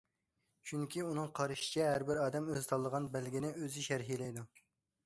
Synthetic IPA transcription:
t͡ʃʰyŋkʲʰiunɨŋqʰɑɾɨʃɪ̥t͡ʃʰɛɦæɾbɪɾɑːd̪ɛmøzɪt̪ʰɑlˠːəʁɑnbælɡʲinɪøzɪʃæɾɦilɛjd̪u

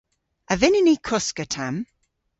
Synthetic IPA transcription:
əvɪnɪnikʰʊskətʰam

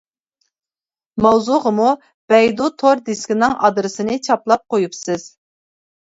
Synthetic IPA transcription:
mɑwzuʁəmu | b̥ɛjd̪ut̪ʰoɾd̪eskʲinɨŋɑ̰d̪ɾɨsɨnɨt͡ʃʰɑplˠɑp̚qojupsɨz̥

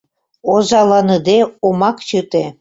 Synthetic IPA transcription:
ozɑlɑnəd̪eomɑkt͡ɕət̪e

